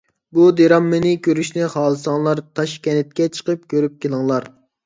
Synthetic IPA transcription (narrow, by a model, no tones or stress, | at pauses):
bud̪eɾɑmːɨnɪkʲʰøɾyʃnɪχɑːlˠɨsɑŋlˠɑɾt̪ʰɑʃkʲɛnɪt̪̚kʲɛt͡ʃʰə̥qəp̚kʲʰøɾyp̚kʲelˠəŋlˠɑɾ